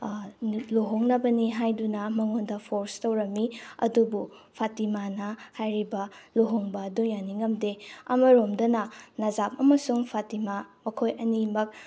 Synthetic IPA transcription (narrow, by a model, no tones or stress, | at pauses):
loɦoŋnɐbɐniɦajdunɐmɐŋondɐpʰoɾstɐwɾɐmːiɐ̰dubupʰatimanɐhajɾibɐloɦoŋbɐːdujaniŋɐmdeɐ̰mɐɾomdɐnɐnazap̚ɐmɐsuŋpʰatimamɐkʰojɐnimɐk̚